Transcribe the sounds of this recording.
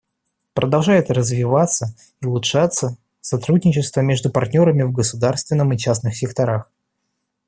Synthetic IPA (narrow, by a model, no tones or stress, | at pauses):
pɾəd̪ɐlˠʐajɪt̪rəzvʲɪvat̪sə | iʊlˠʊtʂat̪sə | sɐt̪ɾudʲnʲɪt͡ɕɪst̪vəmʲe̞ʐd̪ʊpɐrt̪ʲnʲo̞ɾəmʲɪvɡəsʊd̪arst̪vʲɪnːəmɨt͡ɕasnɨxsʲɪkt̪ɐɾax